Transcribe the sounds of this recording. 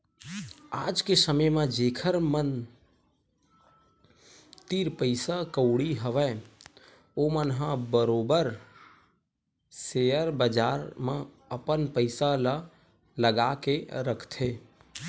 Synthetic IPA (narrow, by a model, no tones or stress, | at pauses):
aːd͡ʒkesəməjmẽd͡ʒeːkʰəɾmən | t̪iɾpəɪsakəʊɽiɦəʋɛ | omənɦãbəɾoːbəɾ | seəɾbəd͡ʒaːɾmẽ | əpənpəɪsalə | ləɡakeɾəkʰt̪ʰe